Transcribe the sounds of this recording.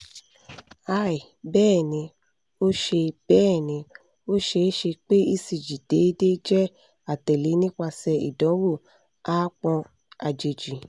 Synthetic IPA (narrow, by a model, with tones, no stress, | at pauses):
a˧˦i˨ | bɛː˦˨nĩ˧ | o˦ʃe˧b̥ɛː˦˨nĩ˧ | o˦ʃe˧˦ʃe˧k͡pe˦i˦si˧˨d͡ʒi˨d̥e˨˦de˦d͡ʒɛ˦ | a˨tɛ˨le˨˦nĩ˦k͡pa˧sɛ˧ḭ˨dɔ̃˨˦wo˦˨ | a˦k͡pɔ̃˧ | a˨d͡ʒe˨d͡ʒi˨